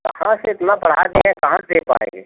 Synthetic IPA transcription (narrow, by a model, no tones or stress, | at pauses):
kɐhãseɪt̪napɐɽ̤a̰ːd̪iɦɛ̃kɐɦãd̪eːpa̰ːḛ̃ːŋɡeː